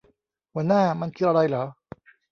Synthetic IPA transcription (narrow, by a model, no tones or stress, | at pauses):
wanamankiɾaɾˤala